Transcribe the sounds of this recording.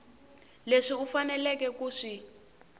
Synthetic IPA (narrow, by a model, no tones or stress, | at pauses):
leʂiufanɛlɛkɛkuːʂi